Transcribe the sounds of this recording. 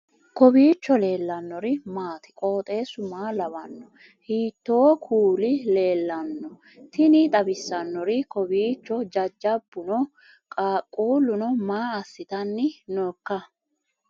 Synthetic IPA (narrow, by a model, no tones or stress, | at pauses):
kɔbiːt͡ʃːɔle̞ːlːɐnːɔɾɪmaːt̪ɪ̥kʼo̞ːt̪ʼe̞ːsʊmaːlɐbɐnːɔ | hiːt̪ːoːkʰuːlɪle̞ːlːɐnːɔ | t̪ɪnɪt̪ʼɐbɪsːɐnːɔɾɪkɔbiːt͡ʃːɔd͡ʒɐd͡ʒːɐbːʊnɔ | kʼaːkʼuːlːʊnɔmaːɐsːɪt̪ɐnːɪnɔːkːɐ